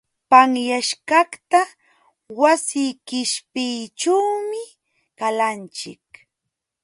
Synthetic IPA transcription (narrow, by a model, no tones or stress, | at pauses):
paŋjaʃkɑkt̪a | wasɪjkɪʃpɪjt͡ʃawmɪ | kalant͡ʃɪ̰k̚